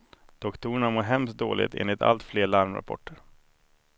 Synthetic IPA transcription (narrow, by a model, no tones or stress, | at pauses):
d̪̥ɔkt̪ʰuːɳamoːɾɦɛmst̪̚d̪o̰ːlʔɪ̰ɡt̪ʰḛːnlɪt̪ʰa̰lt̪fleːɭaɾmɾa̰pʰɔ̰ʈʰːəɾ